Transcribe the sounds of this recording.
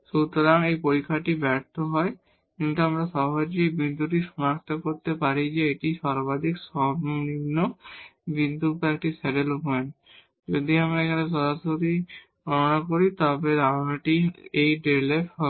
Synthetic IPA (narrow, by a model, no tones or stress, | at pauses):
ʃut̪oɾaŋejpoɾikʰːaʈibɛɾt̪oɦɔe | kint̪uamɾaʃɔɦod͡ʑejbind̪ʱuʈiʃɔnakt̪okoɾt̪epaɾid͡ʑeeʈiʃaɾbad̪ʱiksɔbnonimnːobind̪ʱupɛk̚ʈisɛʈelupɔen | d͡ʒod̪iamɾaekʰaneʃɔɾasoɾi | ɡʱɔnonakoɾit̪ɔbed̪aɾnaʈiejɖelefɦɔ